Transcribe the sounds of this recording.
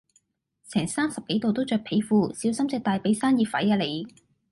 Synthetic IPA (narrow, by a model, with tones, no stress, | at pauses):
t͡sʰɛː˨˩ŋsaː˥msɐ˨p̚ke˨˥jt̪o˨wt̪o˥wt͡ʃœː˨˧k̚pʰe˨˥jfuː˧siː˨˥wsɐ˥mt͡sɛ˨˧k̚t̪aː˨jpe˨˥jsaː˥njiː˨˧fɐ̰˨˥jaː˧le˨˧j